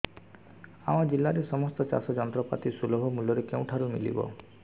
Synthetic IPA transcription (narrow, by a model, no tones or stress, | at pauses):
aw̃ad͡ʒilːaɾesɔmɔst̪ɔt͡ʃa̰sɔd͡ʒɔnɔt̪ɾɔpa̰t̪isulɔbʱɔmuljɔɾekew̃ʈʰaɾumḭlḭbɔ̰